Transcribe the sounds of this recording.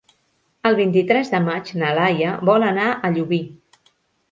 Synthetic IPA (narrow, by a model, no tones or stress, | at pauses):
əlˠβ̞int̪it̪ɾɛzðəmat͡ʃnəlajəβɔlənaʔəʎuβi